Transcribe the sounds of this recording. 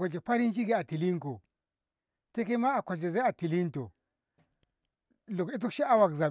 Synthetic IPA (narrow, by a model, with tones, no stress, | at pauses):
o˨d͡ʒe˨pa˦ɾi˦nʃi˦ɡi˦˨a˨ti˨li˦ŋko˨ | te˦ke˦ma˦a˨ko˨d͡ʒe˨za˦a˨ti˨li˦nto̰˨ | lo˨ki˦t̬u˦kʃi˦a˦wa˨kza˨